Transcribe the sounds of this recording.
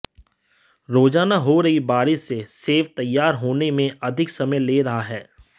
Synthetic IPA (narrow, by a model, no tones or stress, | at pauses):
ɾoːd͡ʒaːnaɦoɾɐɦibaːɾɪʃːeseːʋt̪ɐjːaːɾɦoːnemẽɐd̪ʱɪksɐməjleːɾɐɦaɦɛː